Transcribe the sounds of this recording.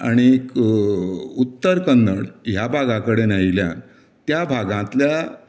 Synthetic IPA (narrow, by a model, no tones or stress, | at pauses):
a̰ɽ̃ik | ut̪ːəɾkənd̪əɽjabʱaɡãkəɽenailjã̰n | t̪jabʱaɡãt̪lja